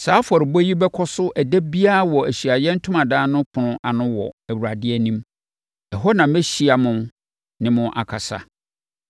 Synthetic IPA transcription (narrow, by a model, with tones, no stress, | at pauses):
saː˨˦fɔ˨ɾɪ˨bɔ˦ji˦bɛ˦kʰɔ˦sʊ˦ʔæ˨dæ˦bi˦a˦˨wɔ˨æ˨ɕɥa˨jɛ˦n̩˦tʰʊ˦mã˨dãː˦nʊ̃˦kʰʊ̃˨nʊ̃˦ʔa˨nʊ̃˦wɔ̰˨æ˨wu˨ɾa˨dɪ˦ɛ˦nĩ˦m | ɛ˨ɦɔ˦nã˨m˦mɛ˦ɕi˦a˨mʊ̃˦ | nɪ̃˦mʊ̃˦ʔa̰˨kʰa˨sa̰˨